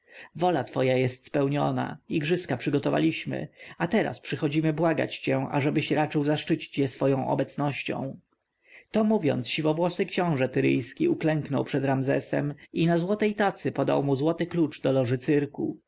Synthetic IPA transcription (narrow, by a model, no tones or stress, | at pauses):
vɔlat̪fɔjajɛst̪spɛwɲɔ̰na̰iɡʐɘskapʂɘɡɔt̪ɔva̰lʲiɕmɘ̰at̪ɛɾa̰spʂɘxɔd͡ʑimɘbwaɡa̰t͡ɕt͡ɕɛʔa̰ʐɛbɘɕɾat͡ʂɘwzaʂt͡ʂɘt͡ɕi̥t͡ɕjɛsfɔjɔ̃w̃ʔɔ̰bɛt̪snɔɕt͡ɕɔ̰̃w̃ | t̪ɔmuvʲjɔ̰nt̪sɕivɔvwɔsɨkɕɔ̃w̃ʐɛt̪ɘɾɘ̰jskʲiuklɛŋknɔ̰wpʂɛd̪ɾamzɛ̰sɛ̰minazwɔt̪ɛjt̪at̪sɘpɔd̪a̰wmuzwɔt̪ɘklut͡ʂd̪ɔlɔʐɘt̪sɘɾkṵ